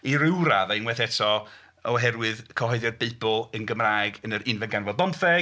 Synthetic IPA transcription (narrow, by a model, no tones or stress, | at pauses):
iɾɪwɾaðajnwɛθɛtʰɔ | ɔɦɛrwɨðkʰɔɦɔɨðjɔrbeɨbʊlˠənɡəmraːjɡənəɾʔɪnvɛnɡanvɔdɔmfɛ